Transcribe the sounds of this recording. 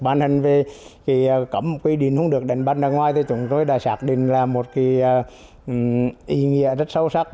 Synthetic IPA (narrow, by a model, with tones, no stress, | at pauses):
ɓaː˧˩nhï˨˩ŋ̟ve˨˩ki˨˩˨kə˧˩m˨kwi˧ɗi˨˩˨ənhʊ̰˧˦ŋ͡mɗɨ˨˩ək̚ɗa˨˩jŋ̟ɓaː˧naː˧˩ŋwaː˧jt̪ʰi˧˩t͡ɕʊ˨˦ŋ͡mt̪o˧jɗa̰ː˧˩saː˦˥k̚ɗḭ̈˧˨ŋ̟laː˨˩mo˨˩t̚ki˧˩˧ | ʔi˧˩ŋḭ˧˨əzə˦˥t̚sə˧wsa˦˥k̚